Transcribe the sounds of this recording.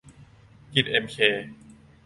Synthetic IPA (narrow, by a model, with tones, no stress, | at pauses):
ki˨˩t̪̚ʔe˧mkʰeː˧